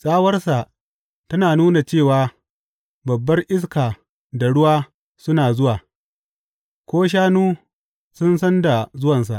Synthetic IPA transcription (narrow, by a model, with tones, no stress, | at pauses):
sʼaː˦wɐ˦rsa˨ʔ | tɐ˦naː˨nuː˦na˨t͡ʃeː˦˨waː˨ | bɐ˨bːɐ˦rʔɪ˦s̬kaː˨ | da˨ɽʊ˦waː˦ | sʊ˦naː˨zʊ˦waː˨ | kʷoː˦ʃ̬aː˦nuː˦ | sʊ˦nsɐ˦nda˨zʊ˦wɐ˨ns̬a̰˨ʔ